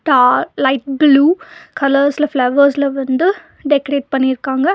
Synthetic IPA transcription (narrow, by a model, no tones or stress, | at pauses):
ʈaːɾlɐjʈ̚bluːkʰɐlɐɾslɐfʰlɐʋɐɾslɐʋɐnd̪u | ɖekɾeːʈ̚pɐniɾkaːŋɡɐ